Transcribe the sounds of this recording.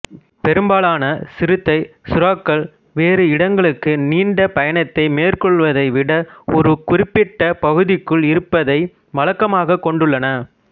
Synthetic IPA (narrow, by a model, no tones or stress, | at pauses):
pɛɾɯmbaːɭaːnɐsɪɾɯt̪ːɐɪsʊɾaːkːɐɭ | ʋeːɾɯɪɽɐŋɡɐɭɯkːɯniːɳɖɐpɐjɐɳɐt̪ːɐɪmeːrkɔɭʋɐðɐɪʋɪɽɐɔɾɯkʊɾɪpːɪʈːɐpɐɣɯðɪkːɯɭɪɾɯpːɐðɐɪ | mɐlɐkːɐmaːɣɐkːɔɳɖɯɭːɐnɐ